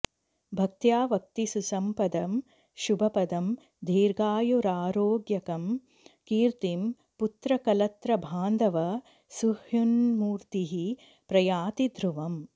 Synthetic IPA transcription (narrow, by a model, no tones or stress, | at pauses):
bʱɐk̚t̪jaːʋɐk̚t̪isusɐmpɐd̪ɐm | ʃubʱɐpɐd̪ɐm | d̪ʱiːɾɡaːjuɾaːɾoːɡjɐkɐm | kiːɾt̪im | put̪ɾɐkɐlɐt̪ɾɐbʱaːnd̪ɐʋɐ | suhjunmuːɾt̪iɦi | pɾɐjaːt̪id̪ʱɾuʋɐm